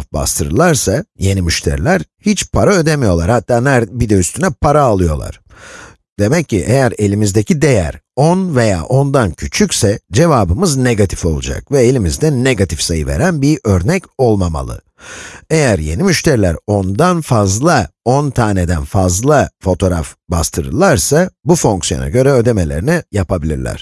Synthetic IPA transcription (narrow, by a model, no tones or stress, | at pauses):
ba̰st̪ʰɯɾɯlˠaɾsaje̞nimyʃt̪ʰḛɾilʲæɾhit͡ʃpʰaɾaø̞d̪emijo̞lˠaɾhat̪ʰːaːnæɾbid̪ɛyst̪ʰynɛpʰaɾaːlˠɯjo̞̰lˠa̰ɾ̥ | d̪̥e̞mɛcːiʔejæɾe̞lʲimizd̪ecʰid̪e̞jæ̰ɾonve̞ja̰ːʔo̞nd̪ancʰyt͡ʃʰycsɛd͡ʒe̞vaːbɯmɯzne̞ɡat̪ʰi̥fo̞lˠṵd͡ʒa̰k̚vɛelʲimizd̪ɛnːe̞ɡat̪ʰifsajɯve̞̰ɾænbiʔø̞ɾnɛco̞lˠmama̰lˠɯ̰ | e̞jæɾje̞nimyʃt̪ʰeɾilʲæ̰ɾo̞nd̪anfazlˠaont̪ʰaːned̪ænfazlˠafo̞t̪ʰo̞ɾafba̰st̪ʰɯɾɯ̰lˠaɾsabufo̞ŋksijo̞̰na̰ɟø̞ɾɛød̪e̞me̞lʲeɾinijapʰabilʲḭɾlʲæ̰ɾ̥